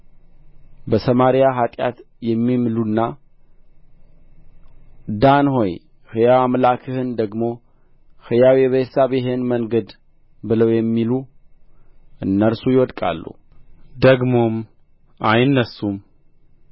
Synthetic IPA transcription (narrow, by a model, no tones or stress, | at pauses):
bəsəmaɾijaɦat̪ʼja̰t̪ | jɛmːimlunːa | d̪anho̞j | hɨjawamlakʰɨhɨnd̪əɡmo̞ | hɨjawiβəsaβjɛɦe̞nməŋɡəd̪ | bɨləwjɛmːilu | ʔɨnːəɾsujɪwɔd̪kʼa̰lːṵ | d̪əɡmo̞m | ʔajnːəsːum